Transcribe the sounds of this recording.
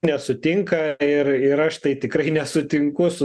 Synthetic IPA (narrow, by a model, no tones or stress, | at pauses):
nʲɛsʊt̪ʲɪŋkɐɪrɪɾɐʃt̪ɐɪt̪ʲɪkɾɐɪnʲɛsʊt̪ʲɪŋkʊsʊ